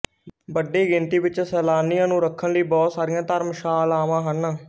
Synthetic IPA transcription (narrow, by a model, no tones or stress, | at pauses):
bəɖːiːɡɪnt̪iːʋɪt͡ʃsɛːlaːnɪjãːnũːɾəkʰːənləiːbɔːt̪saːɾɪjãːt̪əɾmʃaːlaːʋãːɦən